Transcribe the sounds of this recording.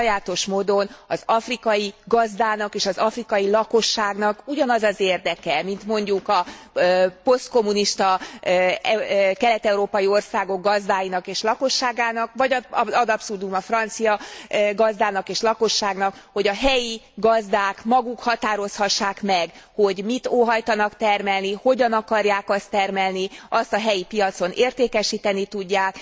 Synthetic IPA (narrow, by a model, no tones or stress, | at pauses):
jaːt̪o̞ʃmoːd̪o̞nɒzɒfrikɒjiɡɒzd̪aːnɒkeːʃɒzɒfrikɒjilɒko̞ʃːaːɡnɒkuɟɒnɒzɒzeːrd̪ɛkɛmint̪mo̞ɲɟukɒ | po̞st̪̚ko̞mːuniʃt̪ɒ | ɛkɛlɛt̪ɛuɾoːpɒjio̞rsaːɡo̞ɡɡɒzd̪aːjinɒkeːʃlɒko̞ʃːaːɡaːnɒkvɒɟɒzɒd̪ɒpsud̪umɒfrɒnt̪sijɒɡɒzd̪aːnɒkeːʃlɒko̞ʃːaːɡnɒkho̞ɟɒɦɛjiɡɒzd̪aːkmɒɡukhɒt̪aːɾo̞shɒʃːaːkmɛɡho̞ɟmit̪oːɦɒjt̪ɒnɒkt̪ɛrmɛlniho̞ɟɒnɒkɒrjaːkɒst̪ːɛrmɛlniɒst̪ɒɦɛjipijɒt̪so̞neːrt̪eːkɛʃiːt̪ɛnit̪uɟːaːk